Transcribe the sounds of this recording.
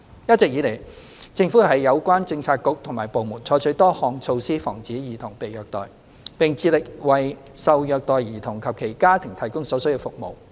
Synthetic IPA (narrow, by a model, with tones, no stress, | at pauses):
jɐ˥t̚t͡sɛ˨k̚jiː˨˧le˨˩j | t͡sɪ˧ŋfuː˨˥ɦɐ˨jːɐ˨˧wkʷaː˥nt͡sɪ˧ŋt͡sʰaː˧k̚ːʊ˨˥k̚t̪ʰʊ˨˩ŋmaː˨˩jpo˨wmuː˨˩nt͡sʰɔː˨˥jt͡ʃʰɵ˨˥t̪ɔː˥hɔː˨ŋt͡sʰo˧wsiː˥fɔ̰ː˨˩ŋt͡siː˨˥jiː˨˩t̪ʰʊ˨˩ŋpe˨jœː˨k̚t̪ɔ̰ː˨˩j | pɪ˨ŋt͡sʰiː˧lɪ˨k̚wɐ˨˩j | sɐ˨wjœː˨˧k̚t̪ɔː˨jjiː˨˩t̪ʰʊ˨˩ŋkʰɐ˨p̚kʰe˨˩jkaː˥t̪ʰɪ˨˩ŋt̪ʰɐ˨˩jkʊ˥ŋsɔː˨˧˥sɵ˥ji˧wfʊ˨k̚mo̰˨w